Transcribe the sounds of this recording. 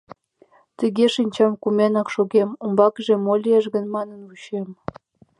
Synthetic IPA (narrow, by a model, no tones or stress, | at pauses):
t̪əɣʲeʃinʲt͡ɕɑmkumʲenɑkʃoɣemumbɑkəʒĕmolʲieʃɣə̆nmɑnənuɕem